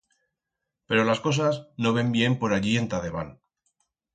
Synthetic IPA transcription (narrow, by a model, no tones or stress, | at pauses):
pe̞ɾo̞lasko̞s̬asno̞β̞e̞mbje̞mpo̞ɾaʎie̞nt̪aðe̞βan